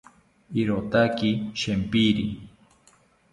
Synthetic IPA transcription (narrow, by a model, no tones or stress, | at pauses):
iɾot̪akiʃempiɾi